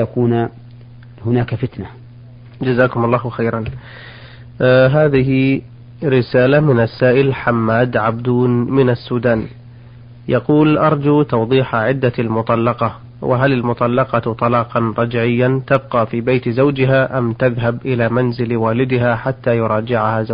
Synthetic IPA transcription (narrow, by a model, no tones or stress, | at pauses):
jakuːn | hʊnaːkfɪt̪na | d͡ʒazaːkʊmɑlˤːɑːhwxeːɾˤɑn | ɦaːðɪɦɪ | ɾɪsaːlamɪnasːaːʔɪlħamːaːd̪ʕabd̪uːnmɪnasːuːd̪aːn | jɑquːlʔɑɾˤd͡ʒuːt̪ɑwðˤiːħaʕɪd̪ːaalmʊt̪ˤɑlːɑqɑ | wʔɪ̰ɦalalmʊt̪ˤɑlːɑqɑt̪ˤɑlɑːqɑnɾˤɑd͡ʒʕɪjːant̪ab̚qɑːfiːbajt̪zawd͡ʒɪɦaːʔamt̪aðɦabʔɪlaːmanzɪlwaːlɪd̪ɪɦaħat̪ːaːjʊɾˤɑːd͡ʒɪʕahazaw